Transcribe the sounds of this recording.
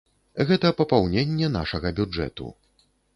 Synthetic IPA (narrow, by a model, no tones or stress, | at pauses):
ɣɛt̪ɐpɐpawnʲenʲːɛn̪a̰ʂɐɣɐbʲud͡ʐɛ̰t̪ṵ